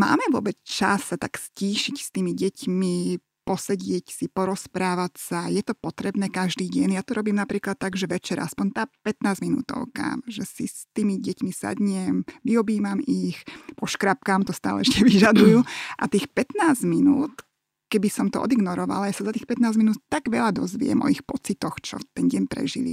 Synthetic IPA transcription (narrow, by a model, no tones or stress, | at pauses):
ma̰ːmɛʋʊɔ̰bɛt͡st͡ʃa̰sːat̪aksciːʃicst̪iːmiɟɛcmi | pɔsɛɟɪɛcsipɔɾɔspɾaːʋacsajɛt̪ɔpɔt̪ɾɛbnɛːkaʒd̪iːɟɛnjaːt̪ɔɾɔbiːmnapɾiːklat̪ːaɡʒɛʋɛt͡ʃɛɾa̰spɔɲt̪aːpɛt̪naːzminṵːt̪ɔ̰ʊka̰ʒɛsist̪iːmiɟɛcmisa̰d̪ɲɛmʋiɔbiːmamixpɔʃkɾap̚kaːmt̪ɔst̪a̰ːlɛɛʃcɛʋiʒad̪ujuʔa̰t̪iːxpɛt̪naːzminuːt̪ | kɛbisɔmt̪ɔɔ̰d̪iɡnɔɾɔʋa̰lajasazat̪iːxpɛt̪naːzminuːt̪t̪aɡʋɛʎad̪ɔzʋɪ̰ɛ̰mʔɔ̰ixpɔt͡sit̪ɔxt͡ʃɔ̰t̪ɛnɟɛɲpɾɛ̰ʒḭlḭ